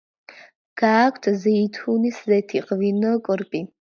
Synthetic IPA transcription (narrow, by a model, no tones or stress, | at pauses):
ɡ̥aːkʷʰt̪ʰzɛit̪ʰuniszɛt̪ʰiqʼvinɔkʼɾpʼi